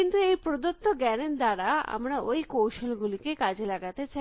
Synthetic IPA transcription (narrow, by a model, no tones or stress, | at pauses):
int̪ueipɾɔd̪ut̪ːoɡɛɽend̪aɾaa̰mɽ̃aoikoɕəlɡulikekad͡ʑʱilaɡat̪et͡ɕʰɛ